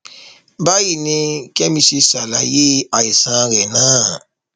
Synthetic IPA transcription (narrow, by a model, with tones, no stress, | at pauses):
ba˦ji˦˨nĩ˧kɛ˦mĩ˧ʃe˧sa˨la˨je˦a˨i˨sã˨˧˦ɾɛ˨nãː˦˨